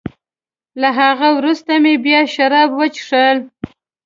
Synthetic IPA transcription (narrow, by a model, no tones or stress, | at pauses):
laɦaɣawɾust̪amebjɑʃaɾɑbwət͡ʃʂəl